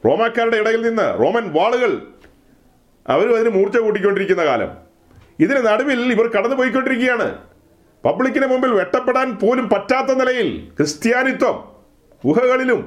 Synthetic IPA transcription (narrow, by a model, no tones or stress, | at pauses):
ro̞̰ːmaːkːaːɾuɽe̞iɽɐjilninːɨ̰ro̞ːmɐnʋaːɭuɣɐɭ | ɐ̰ʋɐɾumɐðinɨmuːrt͡ɕːɐkuːʈ̬ːikʲːo̞ɳɖiɾikʲːunːɐka̰ːlɐ̰m | iðinenɐɽɐʋiliʋɐrkɐɽɐnːɨp̬oːjik̬ʲːo̞ɳɖiɾik̬ʲːujaːɳɨ̰ | pɐbɭik̬ʲːinemumbilʋe̞ʈːɐpːeɽaːnpo̞ːlumpɐtːaːt̪ːɐnilɐjilkrɨst̪jaːnit̪wɐm | uɦɐɣɐɭilum